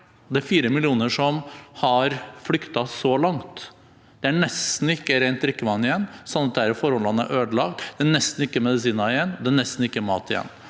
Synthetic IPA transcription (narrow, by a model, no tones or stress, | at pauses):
d̪ɛæɾfiːɾəmɪlɪuːnəʂɔmhɑɾflʏkt̪ɑsɔlɑŋt̪ | d̪̥ɛæɳɛst̪n̩ɪkːəɾɛɪnt̪̚d̪ɾɪkːəʋɑnːɪjɛnːsɔnːɑt̪̚d̪ɛæɾfɔɾhɔlːɑnæ̰ʔøːd̪əlɑːɡ̚t̪d̪̥ɛæɳɛst̪n̩ɪkːəmɛd̪ɪs̬iːnɑɪjɛnːd̪ɛæɳɛst̪n̩ɪkːəæmɑ̰ːt̪ɪjɛ̰nː